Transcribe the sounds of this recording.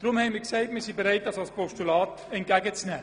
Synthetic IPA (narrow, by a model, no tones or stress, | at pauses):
d̥ɾʊmhɛɪnmiksaɪtmiːsibeʁɾaɪt̚d̥ɑsɑlspʰɔʃtulɑːt | ɛnt̚ɡ̥æɡət͡snɛː